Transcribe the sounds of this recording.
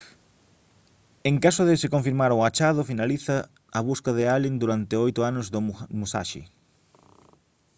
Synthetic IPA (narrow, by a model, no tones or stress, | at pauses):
eŋkasʊðɪsɪkoɱfiɾmaɾʊat͡ʃaðʊfinaliθɐː | βuskaðɪalind̪uɾant̪ɪojt̪ʊanʊzðʊmusa̰ʃɪ̰